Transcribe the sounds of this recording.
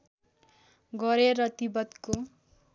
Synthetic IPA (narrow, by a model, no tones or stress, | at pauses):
ɡʌɾeɾʌt̪ibʌt̪ko